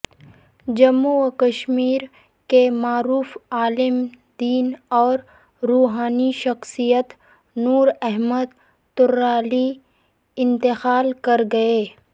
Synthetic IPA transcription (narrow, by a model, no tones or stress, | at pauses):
d͡ʒɐmːukəʃmiːɾ | kemaːɾuːfaːlɪm | d̪iːnɔːɾ | ɾuːɦaːniʃɐxsijət̪ | nuːɾɛɦməd̪ | t̪ʊɾːaːli | ɪ̃nt̪ɪxaːlkɐɾɡɐeː